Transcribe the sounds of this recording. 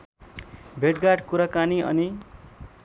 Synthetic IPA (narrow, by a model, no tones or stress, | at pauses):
bʱeʈɡaʈkuɾakaniʌ̰ni